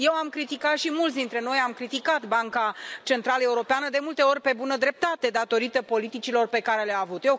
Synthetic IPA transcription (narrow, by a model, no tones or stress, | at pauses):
je̞wamkɾit̪ikat̪ʃimult̪s̬ʲd̪int̪ɾe̞no̞jamkɾit̪ikat̪baŋkat͡ʃe̞nt̪ɾaləeuɾo̞peanəd̪e̞mult̪e̞o̞rʲpe̞bunəd̪ɾe̞p̚t̪at̪e̞d̪at̪o̞ɾit̪əpo̞lit̪it͡ʃilo̞rpe̞kaɾe̞leaːvut̪jew